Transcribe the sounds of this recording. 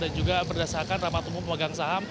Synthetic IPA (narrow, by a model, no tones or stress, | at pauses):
dand͡ʒuɡapərdasarkanramat̪umʊpəwaɡaŋsaɦam